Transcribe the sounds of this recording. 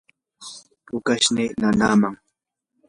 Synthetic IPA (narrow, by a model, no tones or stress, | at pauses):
pʊkaʃninanaːmaŋ